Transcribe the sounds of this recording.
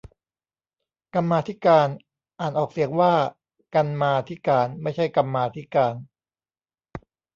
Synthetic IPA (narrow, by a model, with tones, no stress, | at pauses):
ka˧mːaː˧t̪ʰi˦˥kaː˧n | ʔaː˨˩nʔɔː˨˩k̚si˩˦əŋwaː˥˩ | ka˧nmaː˧t̪ʰi˦˥kaː˧nma˥˩jt͡ɕʰa˥˩jka˧mːaː˧t̪ʰi˦˥kaː˧n